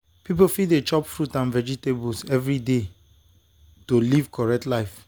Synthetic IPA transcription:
pip̬ofiet͡ʃɔpfɹutãnvɛd͡ʒitebulsɛvɹide | tolivkʰɔɹɛk̚tlaɪf

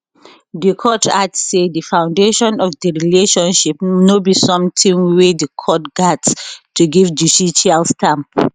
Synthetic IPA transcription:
dikʰɔtʰatsedəfãʊ̃ndeʃɔ̃nɔfdəɹileʃɔ̃nʃip̚nobisɔ̃mtʰĩŋwedikʰɔt̚ɡ̥atstuɡivd͡ʒusiʃalstʰãm

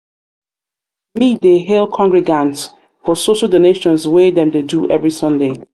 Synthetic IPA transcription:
mideɦɛlkʰɔ̃ŋɡɹɛɡãnts | fɔsoʃalˠdoneʃɔ̃nswedɛ̃mdeduʔɛvɹisʌ̃nde

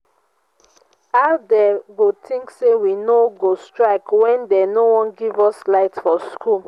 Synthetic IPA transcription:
aʊdɛɡotʰĩŋksewinoɡostɹaɪkwɛ̃ndɛnowɔ̃nɡivɔslaɪtfɔskʰul

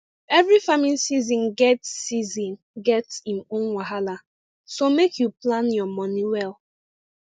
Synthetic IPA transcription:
ɛvɹifamĩnsizĩnɡɛtsːizĩn | ɡɛtsĩmõnwaɦala | somekʰjuplãnjɔmɔniwɛlˠ

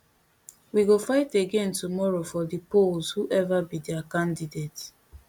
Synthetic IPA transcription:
wiɡofaɪteɡẽntumɔɹofɔdipolzhuʔɛvabidiakãndidet

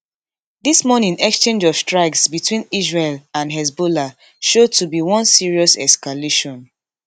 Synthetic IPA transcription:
dismɔnĩnɛkst͡ʃẽnd͡ʒɔfstɹaɪksbitwĩnisɹelãnɦɛz̬bola | ʃod̚tubiwɔ̃nsiɹiɔsɛskaleʃɔ̃n

